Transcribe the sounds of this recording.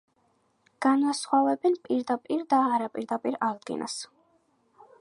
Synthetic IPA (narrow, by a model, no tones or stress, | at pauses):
ɡ̥anwasχwavɛbɛnpʼiɾd̪apʼiɾd̪aːɾapʼiɾd̪apʼiɾaʁd̪ɡḭnʔa̰s